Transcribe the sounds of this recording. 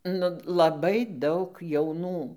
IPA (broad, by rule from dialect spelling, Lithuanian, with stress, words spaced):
nʊ lˠɐˈbɐɪ ˈdɐʊk jɛʊˈnuː